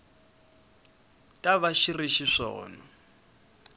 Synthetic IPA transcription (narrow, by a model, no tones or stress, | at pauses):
tʼaβaʃiriʃiʂɔ̰ːnɔ